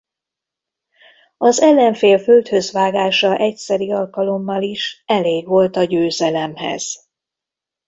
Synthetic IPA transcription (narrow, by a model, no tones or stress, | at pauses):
ɒzɛlːɛɱfeːlfølt̪høzʋaːɡaːʃɒʔɛcsɛɾiɒlkɒlo̞mːɒliʃɛleːɡʋo̞lt̪ɒɟøːzɛlɛmhɛ̰z̥